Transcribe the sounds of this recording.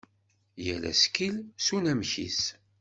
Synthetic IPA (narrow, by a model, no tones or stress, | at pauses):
jælæ̰skilsunæmçḭs